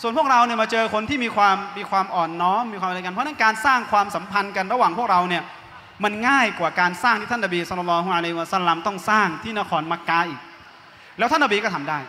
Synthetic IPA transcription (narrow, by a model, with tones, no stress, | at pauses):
su˨˩ənpʰk̚ɾa˧wni˥˩ɐmaː˧t͡ɕɤː˧kʰo˧nt̪ʰiː˥˩miː˧kʰwaː˧mːiː˧kʰwaː˧mʔɔː˨˩nːɔː˦˥mːiː˧kwaː˧m˨˧˨ka˧npʰɔ˦˥na˥nkaː˧nsaː˥˩ŋkʰwaː˧msa˩˦mpʰa˧nka˧nɾa˧waː˨˩ŋʰpu˥˩ək̚ɾa˧wni˥˩ɐ | ma˧nŋaː˥˩jkwaː˨˩kaː˧nsaː˥˩ŋt̪ʰiː˥˩t̪ʰnːa˧biː˧sɔ˧lɔ˧lːɔː˧ɦu˧a˧la˧jhwa˧sa˧˩la˧mt̪ɔ˥˩ŋsaː˥˩ŋt̪ʰiː˥˩na˦˥kʰɔː˧nma˦˥kːaː˧ʔiː˨˩k̚ | lɛː˦˥wt̪ʰa˥na˧biː˧kɔː˥˩t̪ʰa˧mdaː˥˩j